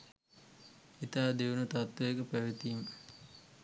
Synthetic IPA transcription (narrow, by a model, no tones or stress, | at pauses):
it̪aːd̪eʋunət̪at̪ːɐekəpæʋit̪im